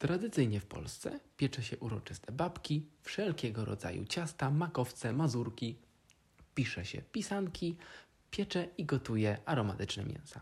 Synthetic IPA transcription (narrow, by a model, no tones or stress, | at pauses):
t̪ɾad̪ɘt̪sɘjɲɛfpɔ̰lst̪sɛ̰pʲjɛt͡ʂɛɕɛʔuɾɔt͡ʂɘst̪ʰɛbapkʲifʂɛlkʲɛɡɔɾɔ̰d̪za̰jṵt͡ɕast̪amakɔft̪sɛmazuɾkʲi | pʲiʂɛɕɛ̰pʲisankʲi | pʲjɛt͡ʂɛiɡɔt̪ujɛaɾɔmat̪ɘt͡ʂnɛmʲjɛ̰nsa